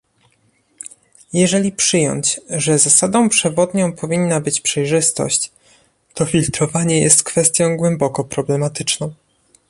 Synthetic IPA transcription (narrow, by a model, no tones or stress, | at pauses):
jɛʐɛlʲipʂɘjɔ̰ɲt͡ɕʐɛzasad̪ɔ̃w̃pʂɛvɔd̪ɲɔ̃w̃pʰɔvʲinːabɘt͡ɕpʂɛjʐɘst̪ɔ̰ɕt͡ɕ | t̪ɔfʲilt̪ɾɔvaɲɛjɛst̪kfɛst̪ʲjɔ̃w̃ɡwɛmbɔkɔpɾɔblɛmat̪ɘt͡ʂnɔ̃w̃